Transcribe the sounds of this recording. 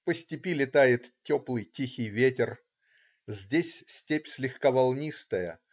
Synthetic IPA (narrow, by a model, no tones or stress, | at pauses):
pəsʲtʲɪpʲilʲɪt̪ajɪt̪tʲːo̞plˠɨjtʲixʲɪjvʲetʲɪr | zʲdʲesʲsʲtʲepʲsʲlʲɪxkavɐlˠnʲist̪əjə